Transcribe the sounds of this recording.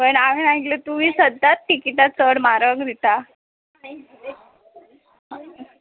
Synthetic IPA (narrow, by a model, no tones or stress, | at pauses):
pəɳam̤inaɦiklet̪umiːsəd̪ʱːat̪̚ʈikiʈat͡səɽmaɾəŋɡd̪ʱit̪a